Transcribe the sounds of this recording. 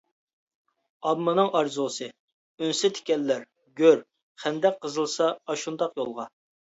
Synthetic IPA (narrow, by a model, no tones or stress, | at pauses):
ɑbmːɨnɨŋɑɾzusɨ | ønsɪt̪ʰɪ̥kʲɛlːæɾ | ɡʲøɾ | χænd̪ɛk̚ʲqəzɨlˠsɑɑʃund̪ɑqjolˠʁɑ